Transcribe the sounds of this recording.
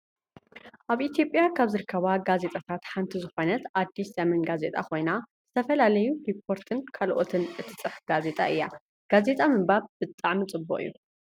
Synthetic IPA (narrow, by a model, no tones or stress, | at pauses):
ʔaβit̪jo̞pʼjakʰaβzɨɾɨkʰːɐβaɡaze̞t̪ʼat̪ʰat̪ħant̪ʰizɨxo̞nɐt̪ʔad̪ːisɐmɐnɡaze̞t̪ʼakʰo̞jna | z̥ɨt̪ʰɐfɐlalɐjuɾipʰːo̞ɾt̪ʰɨnkʰalʔot̪ʰɨnʔɨt̪ʰɨ̥t͡sʼɨħɡ̥aze̞t̪ʼa̰ʔɨjːa | ɡ̥aze̞t̪ʼamɨmbaβb̥ɨt̪ʼːaʕmit͡sʼɨbːo̰ʔʼɨ̰jːu